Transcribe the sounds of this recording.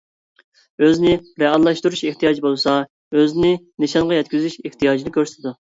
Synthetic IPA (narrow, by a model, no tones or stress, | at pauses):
øznɪɾɛɑlˠːɑʃt̪uɾuʃeht̪ijɑːd͡ʒibolˠsɑ | øznɪ | nɨʃɑɴʁɑjɛt̪ʲkʲyzyʃeht̪ʰijɑːd͡ʒinɨkʲʰøɾst̪ʰɪd̪u